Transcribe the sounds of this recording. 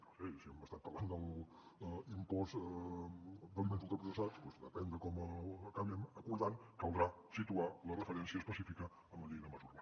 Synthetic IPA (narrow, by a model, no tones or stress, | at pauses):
nosɛsiɛməst̪at̪̚pəɾland̪əl | impɔz | d̪əlˠment̪lˠt̪əpɾusəsat͡spwɛzd̪ə̰pɛnd̪əkɔməkaβiəməkuɾðankəlˠd̪ɾa | sit̪ualərəfəɾɛnsiəspəsifikə | əmbəʎinəməzuɾβa